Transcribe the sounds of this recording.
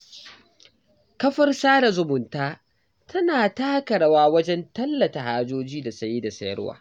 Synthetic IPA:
kɐ˦ɸɐ˦rsaː˦da˨zʊ˨mʊ˨ntaː˦ | tʰɐ˦naː˨taː˦kɐ˨ɽa˦waː˦wɐ˦d͡ʒɛ˦ntɐ˦lːɐ˨ta˨haː˦d͡ʒoː˦d͡ʒiː˦da˨sɐ˦ji˦da˨sɐ˦jɐ̰˦wa̰ː˦˨

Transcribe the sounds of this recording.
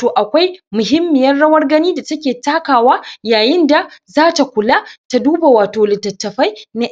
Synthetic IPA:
toː˨ʔa˨kʷa˦jmʊ˨ɦɪ˦mːɪ˨jɐ˦rɽɐ˦wɐ˦rɡɐ˦niː˦da˨tɐ˦kʲeː˨taː˦kaː˨waː˦jaː˨jɪ˦nda˨zaː˦ta˨kʷʊ˨laː˦ta˨duː˦ba˨waː˨toː˨lɪ˨tːɐ˨tːɐ˨ɸɐ˦jna˦ʔ

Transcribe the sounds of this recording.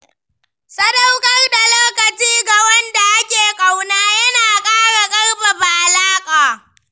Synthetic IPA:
sɐ˦da˦wkʼɐ˦rda˨loː˦kɐ˨t͡ʃiː˦ɡa˨wɐ˦nda˨ʔa˦kʲeː˨kʼa˨wnaː˦jɐ˦naː˨kʼaː˦ɽa˨kʼɐ˦rɸa˨ba˨ʔlaː˦kʼaː˨

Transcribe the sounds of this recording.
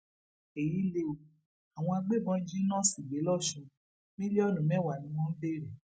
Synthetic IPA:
e˨ji˨˦le˧o˧˨ | a˨w̃ɔ̃˧a˧ɡ͡be˦˨bɔ̃˧n̩˦d͡ʒĩ˦nɔ̃˦˨si˨ɡ͡be˨˦lɔ˦˨ʃũ˨˧ | mĩ˦le˦ɔ˦˨lũ˨mɛ̃˦wa˨nĩ˧wɔ̃˦n̩˦be˦˨ɾɛ˨

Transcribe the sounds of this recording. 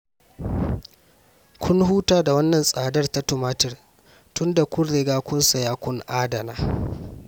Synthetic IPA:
kʷʰʊ˦nhuː˦taː˦da˨wɐ˦nːɐ˨nsʼaː˨dɐ˦rta˦tʊ˨maː˦tɪ˦˨r | tʊ˦nda˨kʷʊ˦rːɪ˦ɡaː˦kʷʊ˦nsa˨jaː˦kʷʊ˦ŋʔaː˦dɐ˨naː˦

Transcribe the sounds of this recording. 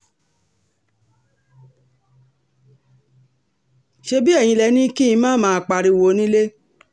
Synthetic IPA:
ʃe˧bi˦ɛ˦˨j̃ĩ˧lɛ˧˦nĩ˦ki˦ĩ˧mãː˦mãː˦˧˨k͡pa˧ɾi˧˦wo˧˦nĩ˦le˦

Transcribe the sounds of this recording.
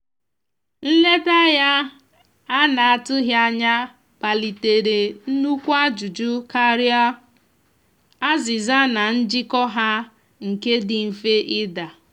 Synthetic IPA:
n̩˦le˦ta˦ja˦ | a˦na˨a˨tʊ˦ɦja˦ɲa˦ | b̥a˨li˨te˨ɾe˨n̩˦nu˦kʷa˦d͡ʒu˨d͡ʒu˦ka˦ɾja˦ | a˦zɪ˨za˦na˨n̩˦d͡ʒɪ˦kɔ˦ɦa˦ | ŋ̩˨ke˦dɪ˨m̩˨fe˦ʔɪ˦da˨

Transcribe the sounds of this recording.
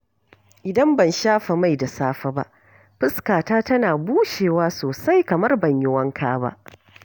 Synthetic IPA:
ʔɪ˨dɐ˦mbɐ˨nʃaː˦ɸa˨ma˦˨jda˨saː˦ɸa˦ba̰˦ʔ | ɸɪ˦skaː˨taː˦tɐ˦naː˨buː˦ʃeː˨waː˦soː˨sa˦jkɐ˨mɐ˦rbɐ˨ɲjɪ˦wɐ˦ŋkʰaː˦ba̰˦ʔ

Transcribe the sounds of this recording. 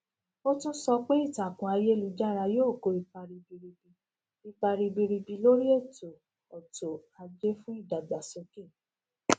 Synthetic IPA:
o˦tũ˦sɔ˧k͡pe˦i˦˨ta˨kũ˨˦a˧je˦lu˧d͡ʒa˦˨ɾa˧joː˦˨ko˧˦i˧k͡pa˧ɾi˧bi˧ɾi˧bi˧ | i˧k͡pa˧ɾi˧bi˧ɾi˧bi˧lo˦ɾi˦e˦˨to˨ | ɔ˨to˨a˧d͡ʒe˦fũ˦i˦˨da˨ɡ͡ba˨so˨˧ke˦˨

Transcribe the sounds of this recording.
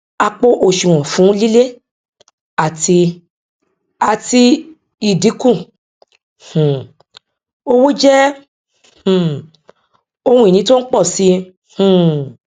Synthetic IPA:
a˧k͡po˧ʔo˧˨ʃu˨w̃ɔ̃˨fũ˨˦li˦le˦ | a˦˨ti˧ | a˨ti˧ | i˨di˨˦kũ˦˨ | ũ˨ | o˦wo˦d͡ʒɛ˦˨ | o˧hũ˧˦i˨nĩ˨˦to˦n̩˦k͡pɔ˦˨si˧˦ | h̩˨

